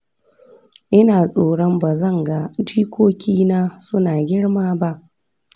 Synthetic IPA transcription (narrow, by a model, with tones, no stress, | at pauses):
ʔɪ˦naː˨sʼoː˨ɽɔ˦mba˨zɐ˦˨ŋɡa˨d͡ʒiː˦kʷoː˦kʲiː˦naː˦sʊ˦naː˨ɡʲɪ˦ɽmaː˦ba˦ʔ